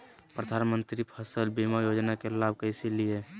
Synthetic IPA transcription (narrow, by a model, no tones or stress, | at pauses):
pɾəd̪ʱanmə̃nt̪ɾipʰəsəlbimajod͡ʒnakelab̚ʱkəɪselije